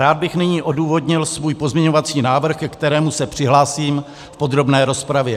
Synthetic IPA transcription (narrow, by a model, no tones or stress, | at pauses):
aːd̪̚bɪxnɪɲiːʔo̞duːvo̞dɲɪlsvuːjpo̞zmɲɛɲo̞vat͡siːnaːvr̩xkt̪ɛɾɛːmusɛpr̝̥ɪɦlaːsiːm | fpo̞d̪ɾo̞bnɛːɾo̞spɾavjɛ